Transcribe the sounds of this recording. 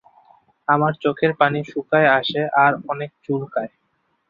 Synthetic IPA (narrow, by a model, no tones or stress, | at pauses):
amaɾt͡ɕokʰeɾpaniʃukaeaʃeʔaɾɔnek̚t͡ɕulkae